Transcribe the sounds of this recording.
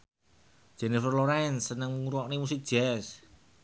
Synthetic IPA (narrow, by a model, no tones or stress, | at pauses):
ʒ̥ɛnifərloɾɛnsənəŋmŋuɾuwɔʔnimusik̚d̥ʒ̥ɛs